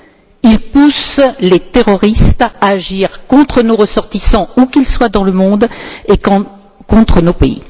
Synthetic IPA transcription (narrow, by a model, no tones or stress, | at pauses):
ilpuslet̪eʁɔʁist̪aːʒiʁkɔ̃t̪χənoʁəsɔʁt̪isɑ̃ukʲilswad̪ɑ̃ləmɔ̃d̪ek | kɔ̃t̪χənopeḭ